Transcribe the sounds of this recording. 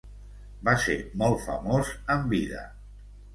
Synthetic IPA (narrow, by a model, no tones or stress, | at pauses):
baseɾmɔlˠfə̰mozəmbiðə̰